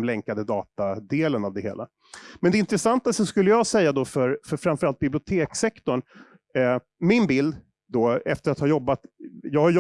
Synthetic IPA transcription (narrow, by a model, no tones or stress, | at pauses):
mlɛŋkad̪əd̪ɑːt̪ad̪eːlənavd̪ɛɦḛːla̰ | mɛnd̪ɛɪnt̪ɾəsant̪asɔskɵlːəjɑɡsɛjːad̪ɔfœɾfœɾfɾamfœɾalt̪̚bɪblɪʊt̪ʰeːksɛkt̪ɔɳ | mɪnbɪld̪ | d̪ɔɛft̪əɾat̪hɑːjɔbːat̪jɑːɡhaɾjɔ